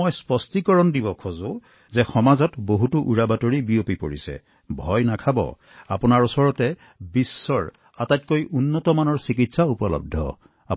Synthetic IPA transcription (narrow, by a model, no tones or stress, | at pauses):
ojspɔstikɔɹɔndibɔkʰozʊ | zɛxɔmazɔtboɦutuʔuɹabatoɹibiopipo̰ɹḭsɛ̰ | bʱɔjnakʰabɔ̰ | a̰pʊnaɹusɔɹɔtɛ | bisːɔɹ | atajt̚kojʔunːɔtɔmanɔɹsik̬itsaupɔlɔ̰b̚dʱɔ̰ | a̰